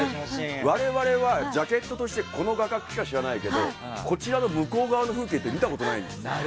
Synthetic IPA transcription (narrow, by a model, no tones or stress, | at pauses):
βaɾe̞βaɾe̞βad͡ʑake̞t̪ːo̞t̪o̞ɕi̥t̪e̞kʰo̞no̞ɡakakɯ̟̥ki̥kaɕiɾanaike̞d̪o̞ | ko̞t͡ɕiɾano̞mɯ̟ko̞ːɡaβano̞ɸɯ̟ːk̬e̞ːt̪ːe̞mʲit̪ako̞t̪o̞naḭ̃nd̪es